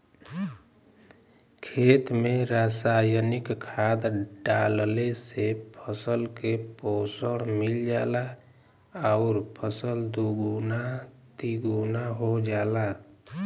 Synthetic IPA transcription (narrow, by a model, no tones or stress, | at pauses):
kʰeːt̪meɾasajənikkʰːad̪ɖallesepʰəsəlkeposəɽ̃mild͡ʒaːla | aʊɾpʰəsəld̪uɡuna | t̪iɡunaɦod͡ʒaːla